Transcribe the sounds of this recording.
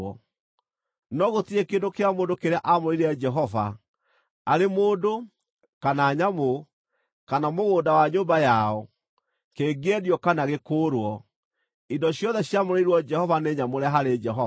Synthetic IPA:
ɔ | nɔɣotiekeːndokeamoːndokeɾeaʔamoɾeiɾead͡ʒɛɦɔva̰ | aɾemoːndo | kanaːɲamo | kanamoɣoːdawaɲoːmbajaɔ | keːɡɛðiɔkanaɣekoːɾwɔ | indɔɕjɔðɛɕjamoɾeɾwɔd͡ʒɛhɔvaneɲamoɾaɦaɾed͡ʒɛɦɔ

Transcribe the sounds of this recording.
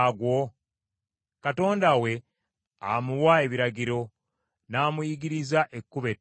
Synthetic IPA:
ɡwo̞ | kato̞ːndawe̞ | a̰muwae̞βiɾaɡiɾo̞ | naːmujiɡiɾizaʔekːuβe

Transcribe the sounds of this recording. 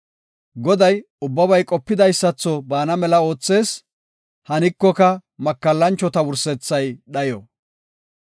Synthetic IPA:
ɡɔd̪ɐj | ʊbːɐbɐjkʼɔpːɪd̪ɐjsːɐt͡sːɔbaːnɐmɛlɐo̞ːt͡sːe̞ːs | hɐnɪkːɔkɐmɐkːɐlːɐnt͡ʃːɔt̪ɐwʊɾsɛt͡sːɐjɗɐjɔ

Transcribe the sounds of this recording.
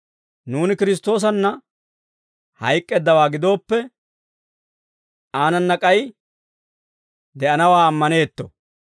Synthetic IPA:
nuːnɪkɪɾɪs̬t̪ːo̞ːs̬ɐnːɐ | hɐ̰jkʼːɛd̪ːɐwaːɡɪd̪o̞ːpːɛ | aːnɐnːɐkʼɐj | d̪ɛʔɐnɐwaːmːɐne̞ːt̪ːɔ̰

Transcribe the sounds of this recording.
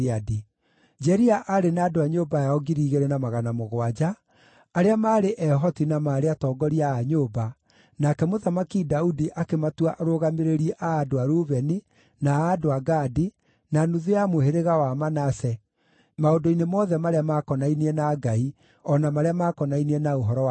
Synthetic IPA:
adi | d͡ʒɛɾiaʔaɾenaːdoaɲoːbajaɔɡiɾiːɣeɾenamaɣanamoɣwad͡ʑaː | ɾeamaːɾeʔɛɦɔtinamaːɾeatɔːɡɔɾiaːɲoba | nakɛmoðamakidaudiʔakematwaʔɾoɣameɾeɾiɛʔaːdoaɾuβɛni | naːdoaɡaːdi | nanuðujamoheɾeɣawamanasɛ | maodoinemɔːðɛmaɾeamakɔnainiɛnaɡai | ɔnamaɾeamakɔnainiɛnaoɦɔɾɔ

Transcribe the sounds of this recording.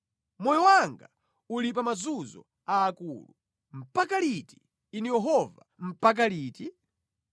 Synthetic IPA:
mɔjɔwaŋɡa | ulip̬amazuzɔ̰ | aːkulu | m̩pakaliti̥ː | nijɛɦɔva̰m̩pak̬aliːti

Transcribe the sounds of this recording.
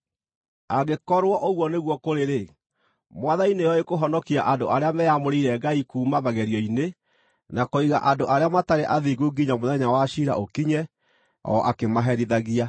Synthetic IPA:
aɡekɔɾwɔʔoɣwɔneɣwɔkoɾeɾe | mwaðainejɔekoɦɔnɔkiaʔandoʔaɾeamɛjamoɾiiɾɛɡaikuːmaβaɣɛɾjɔine | nakoiɣa̰ʔandoʔaɾeamataɾeʔaðiɡuɡiɲamoðɛɲawaʃiɾa̰ʔokiɲɛ | ɔ̰ʔakemaɦɛɾiðaɣia

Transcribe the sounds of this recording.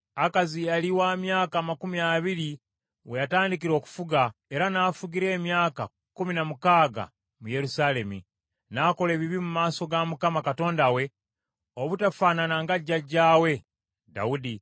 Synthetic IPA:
akazijaliwaːmjaːkaːmakumiaβiɾi | we̞jataːndikiɾo̞ːku̥fuɡae̞ɾanaːfuɡiɾe̞ːmjaːka | kuminamukaːɡa̰ | muje̞ɾusale̞mḭ | naːko̞le̞ːβiβimumaːso̞ɡamukamakato̞ːndawe̞ | oβutafaːnanaŋɡaɟːaɟːaːwe̞ | da̰udi

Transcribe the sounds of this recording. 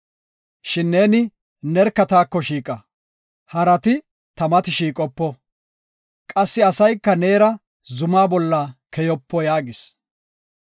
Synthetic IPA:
ʃɪnːe̞ːnɪ | nɛɾkːɐt̪aːkːɔʃiːkʼɐ | hɐɾɐt̪ɪ | t̪ɐmɐt̪ɪʃiːkʼɔpːɔ | kʼɐsːɪɐsɐjkːɐne̞ːɾɐ | zʊmaːbɔlːakʰɛjɔpːɔjaːɡɪs

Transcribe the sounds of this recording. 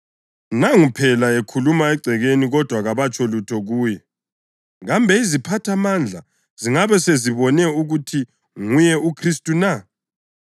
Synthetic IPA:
naŋupʰɛlaɛkʰulumaɛɡ͡ǀʱɛɣeniɣɔd̥ʱwaɣaβat͡ʃʼɔlutʰɔɣuːjɛ | ɣambʱɛizipʰatʰamand͡ɮʱa | z̥iŋaβɛseziβɔnɛuɣutʰi | ŋujɛʔukʰris̬tʼuna

